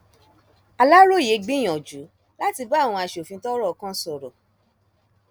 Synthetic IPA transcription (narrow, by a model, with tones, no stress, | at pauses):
a˧la˦ɾo˦˨je˨˦ɡ͡bĩ˦j̃ɔ̃˨d͡ʒu˨˦ | la˦ti˧ba˦˨w̃ɔ̃˧a˧˨ʃo˨fĩ˧tɔ˦ɾɔ˦˨ɔ˧kã˦sɔ˨ɾɔ˨